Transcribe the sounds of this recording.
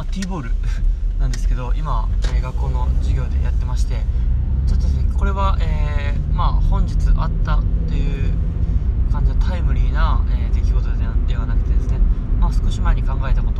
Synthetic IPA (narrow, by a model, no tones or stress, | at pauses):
mt̪iːboːɾɯ̟nãnd̪e̞sɨ̥ke̞d̪o̞ʔimaeːɡakːo̞ːno̞d͡ʑiɡʲo̞ːd̪e̞̰jat̪ːe̞maɕi̥t̪e̞t͡ɕot̪ːosko̞ɾe̞βaʔeːmaːhõ̞ɲd͡ʑit͡sɨʔat̪ːat̪ːe̞jɯ̟ | kãɲ̟d͡ʑid̪ot̪ʰaimɯ̟ɾʲiːnaeːd̪e̞kʲiɡo̞t̪o̞ed̪e̞βanakɯ̟̥t̪ẽ̞nd̪esɨne̞maːsɨ̥ko̞ɕimaeɲ̟ikãŋɡae̞t̪ako̞t̪o